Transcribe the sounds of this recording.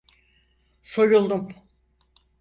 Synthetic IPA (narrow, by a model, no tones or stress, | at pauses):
so̞ɾulˠd̪um